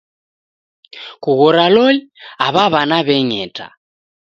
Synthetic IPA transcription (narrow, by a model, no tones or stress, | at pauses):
kuɣɔɾalɔliaβaβanaβɛɲɛtʰʼa̰